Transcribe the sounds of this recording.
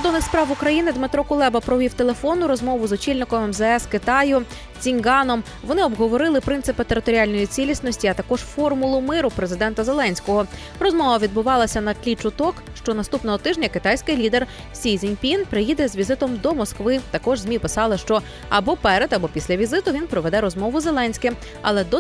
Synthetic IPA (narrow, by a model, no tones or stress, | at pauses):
kɔɾd̪ɔnɪxspɾɑwʊkɾɐjinɪd̪mɪt̪ɾɔkʊlˠɛbɐpɾɔʋʲiwt̪elˠe̞fɔnːʊɾɔzmɔʋʊzɔt͡ʃilʲnɪkɔmɛmzɛɛskɪt̪ɑjʊ | t͡sʲinɡɑnɔm | ʋɔnɪɔbɦɔʋɔɾɪlˠɪpɾɪnt̪ɨpɪt̪eɾɪt̪ɔɾʲɪalʲnɔjit͡sʲilʲisʲnɔsʲtʲiɐt̪ɐkɔʒ̥fɔrmʊlˠʊmɪɾʊpɾezɪd̪ɛnt̪ɐze̞lˠɛnʲsʲkɔɦɔ | rɔzmɔʋɐʋʲid̪̚bʊʋɑlˠɐsʲɐnɐklʲit͡ʃʊt̪ɔk | ʃt͡ʃɔnɐst̪upnɔɦɔt̪ɪʒnʲɐkɪt̪ajsʲkɪjlʲid̪er | sʲijzʲinʲpʲinpɾɪjid̪ɛzʋʲizɪt̪ɔmd̪ɔmɔskʋɪt̪ɐkɔʒzʲmʲipɪsɑlˠɪʃt͡ʃɔ | ɐbɔpɛɾed̪ɐbɔpʲisʲlʲɐʋʲizɪt̪ʊʋʲinpɾɔʋɛd̪ɛɾɔzmɔʋʊze̞lˠɛnʲsʲkɪm | ɐ̰lˠɛd̪ɔ